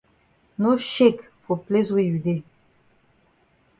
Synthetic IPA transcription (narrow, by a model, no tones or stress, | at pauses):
noʃek | puplezweyd̪e